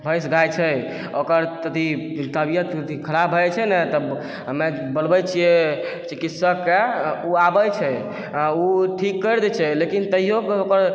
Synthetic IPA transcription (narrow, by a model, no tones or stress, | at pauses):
bʱəjsɡajt͡ʃʰɛ | okəɾt̪ət̪i | t̪əbijət̪t̪ikʰəɾabʱəɛt͡ʃʰɛnɛt̪ɔ | me | bəlbəjt͡ʃʰije | t͡ʃikit̪səkːeuabət͡ʃʰɛ | uʈʰikːəɾd̪ɛt͡ʃʰɛlekint̪əɦijokeokəɾ